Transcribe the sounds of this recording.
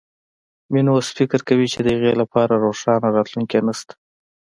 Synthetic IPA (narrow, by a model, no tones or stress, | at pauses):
minwosfɪkəɾkawit͡ʃed̪əjəɣelapɑɾaɾoʂɑnaɾɑt̪luŋkenast̪ḁ